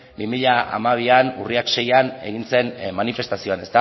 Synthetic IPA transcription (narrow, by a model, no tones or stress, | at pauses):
bimiʎaʔa̰maβ̞ianuriakʃe̞jane̞̰ɣ̞inse̞nmanife̞st̪asio̞ane̞st̪a